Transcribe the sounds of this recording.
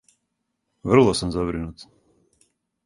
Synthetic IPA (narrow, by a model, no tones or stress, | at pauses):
vr̩lˠɔsamzabɾinut̪